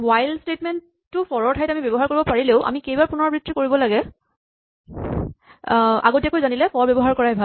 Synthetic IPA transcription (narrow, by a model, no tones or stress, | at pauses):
wajlstetmɛntː | ʊfɔɹɔɹtʰajtamibɔbɔɦaɹkoɹibɔpaɹileʊʔa̰mikejbaɹpunɔɹbɹitʰɹikoɹibɔlaɡɛ | a̰ɡotiakojzanilɛfɔɹbɔbɔɦaɹkɔɹaɛbʱa